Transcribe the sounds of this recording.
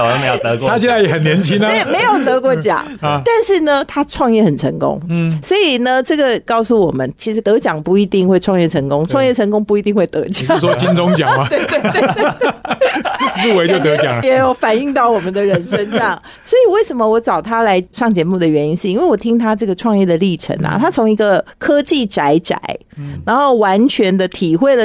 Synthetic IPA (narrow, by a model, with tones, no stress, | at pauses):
me˧˦jo˨tt̪ʰa˦ɕjɛ˥˧nd͡za˥˩ɪjɛ˨˦˩hə˨˩njɛ˧˥nt͡ɕʰi˦˥n˦˨˩me˧˥ɪjo˨˩ʊt̪ɤ˧˥kwɔ˧˥t͡ɕjɑ̰˨˦t̪a˥˧nʂɻ̩˥˩nə˩t̪ʰa˥ʈ͡ʂʰwɑ˥˧ŋjɛ˥˩hə˨˩nʈ͡ʂʰə̰˧˥ŋkʊ̰˥ŋswɔ˧˥i˨˩nə˨ʈ͡ʂɤ˥˩ɡə˩kɑ˥˩ʊsu˥˨˩wɔ˨˩mə˦nt͡ɕʰi˧˥ʂɻ̩˧˥t̪ɤ˧˥t͡ɕjɑ˨˩ŋpu˧˩i˧˥t̪i˥˧ŋxwe˥˧ɪʈ͡ʂʰwɑ˥˧ŋjɛ˥˩ʈ͡ʂʰɤ˧˥ŋkʊ˥ŋʈ͡ʂʰwɑ˥˧ŋjɛ˥˩ʈ͡ʂʰə˧˥ŋkʊ˥ŋpu˧i˧t̪i˥˧ŋxwe˥˩ɪt̪ɤ̰˧˥t͡ɕjwɔ˥t͡ɕi˥nʈ͡ʂʊ˥ŋt͡ɕjɑ˨˩mɐ˦t̪e˥˧tt̪we˥˧t̪e˥˩˧ | ɻu˥˩we˧˥t͡ɕjo˥˧ʊt̪ɤ˧˦t͡ɕjɑ̰˨ŋjɛ˨˧˥jo˨˧˩ʊfa˨˩ni˥˧ŋt̪ɑ˥˩ʊwɔ˨˩mə˨˦nd̪ə˨ɻə˧˦˥nʂə˦˥nʂɑ˥˩ŋ | swɔ˧˥i˨˩we˥˩ɪʂə˧˥nmə˧wɔ˧˥ʈ͡ʂɑ˨˩ʊt̪ʰa˥la˧˥ɪʂɑ˥˩ŋt͡ɕjɛ˧˥mu˥˩d̪ə˩ɥɛ˧˥ni˥nʂ̩˥˧i˥nwe˥˩wɔ˨˩t̪ʰi˥ŋt̪ʰa˥ʈ͡ʂɤ˥˩ɡə˩ʈ͡ʂʰwɑ˥˧ŋjɛ˥˩d̪ə˩li˥˩ʈ͡ʂʰə̰˧˥nɐ̰˨t̪ʰa˥t͡sʰʊ˧˥ŋi˧˥ɡə˨kʰɤ˥t͡ɕi˥˩ʈ͡ʂa˧˥ɪʈ͡ʂa̰˨˩˦ɪ | na˧˥nxo˥˩ʊwa˧˥nt͡ɕʰɥɛ˧˥nd̪ə˧t̪ʰi˨˩xwe˥˩ɪdə˨